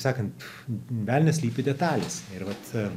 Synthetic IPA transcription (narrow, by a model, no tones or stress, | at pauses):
sɑːkɐnt̪ | ʋʲæːlʲnʲɛsʲlʲiːpʲɪd̪ʲɛt̪ɑːlʲesɪɾʋɐt̪